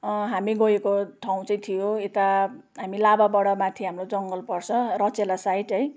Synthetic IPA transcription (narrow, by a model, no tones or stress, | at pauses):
ɦamiɡʌjekoʈʰaw̃t͡sʌj̃t̪ʰijoet̪a | ɦamilababʌɽʌmãt̪ʰiɦamrod͡zʌŋɡʌlpʌrt͡sʰʌrʌt͡selasaiʈʌj